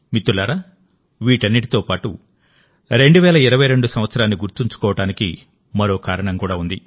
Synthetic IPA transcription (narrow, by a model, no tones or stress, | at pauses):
mit̪ːulaːɾaː | ʋiːʈɐnːiʈ̬it̪oːpaːʈṵ | ɾe̞ɳɖuʋɛːlɐiɾɐʋɐjɾe̞ɳɖusɐmʋɐt̪sɐɾaːnːiɡuɾt̪iɲt͡ʃu̥kɔːʋɐʈaːnikḭ | mɐɾo̞ːkaːɾɐɳɐŋkuːɽaːund̪i